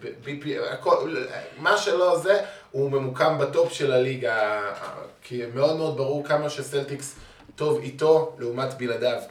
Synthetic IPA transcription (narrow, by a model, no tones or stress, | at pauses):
bebipia̰komaʃelo̞ze | ume̞mukambato̞pʃe̞laliɡa̰ | kʰimeo̞d̪me̞od̪̚baʁuʁkamaʃeseltiks | to̞vito̞leumatbiladav